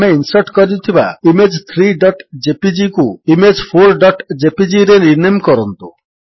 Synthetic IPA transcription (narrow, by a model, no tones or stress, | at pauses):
meinsɔɾʈkɔɾiut̪ʰiba̰imed͡ʒt̪ʰɾiɖɔʈd͡ʒepid͡ʒikuimed͡ʒpʰoɾɖɔʈd͡ʒepid͡ʒiɾeniɾnajmkɔɾɔnt̪u